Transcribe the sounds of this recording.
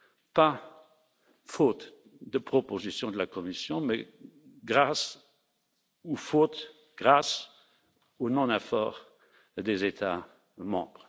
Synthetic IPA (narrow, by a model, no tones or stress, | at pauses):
pa | fot̪ | d̪əpχɔpozisjɔ̃d̪əlakɔmisjɔ̃mɛ | ɡʁas | ufot̪ | ɡ̥ʁas | onɔ̃nɛfɔ̰ːʁ | d̪ezet̪ʰa | mɑ̃ːbʁ